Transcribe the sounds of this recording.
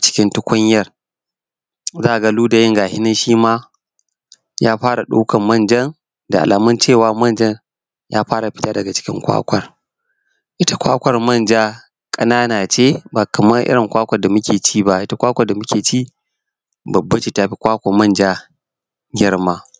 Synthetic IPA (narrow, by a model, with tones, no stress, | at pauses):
t͡ʃɪ̥˦kʲɪ˦ntʊ˦kʷʊ˦ɲjɐ˦r | zaː˦ʔa˨ɡa˦luː˦da˨jɪ˦ŋɡaː˨hɪ˦nɪ˦nʃiː˦maː˦ | jaː˦ɸaː˦ɽa˨ɗṵ˦kʰɐ˨mːɐ˦˨nd͡ʒɐ˦n | da˨ʔa̰˨lʔaː˨mɐ˦nt͡ʃeː˦˨waː˨˦mɐ˦nd͡ʒɐ˦n | ja̰ː˦ɸaː˦ɾa˨ɸɪ̥˦ta˦dɐ˨ɡa˨t͡ʃɪ̥˦kʲɪ̰˦ŋkʷa̰ː˦kʷɐ˨r | ʔɪ˦ta˦kʷa̰ː˦kʷɐ˨rmɐ˦˨nd͡ʒaː˦ | kʼɐ˦naː˦naː˨t͡ʃeː˦baː˨kɐ˨mɐ˦rʔɪ̰˦ɾɪ˨ŋkʷaː˦kʷɐ˨da˨mʊ˦kʲeː˨t͡ʃiː˦ba˦ʔɪ˦ta˦kʷaː˦kʷɐ˨rda˨mʊ˦kʲeː˨t͡ʃi˦˨ | bɐ˨bːɐ˦t͡ʃi˨ta˦ɸi˦kʷaː˦kʷa˨mɐ˦nd͡ʒaː˦ | ɡʲɪ˦ɽmaː˦